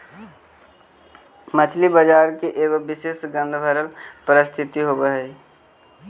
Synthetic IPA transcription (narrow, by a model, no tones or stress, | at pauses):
mət͡ʃʰlibəd͡ʒaːɾkeʔeːɡobɪseːsɡə̃nd̪ʱbʱəɾəlpəɾɪst̪ʰɪt̪iɦobəɦɛi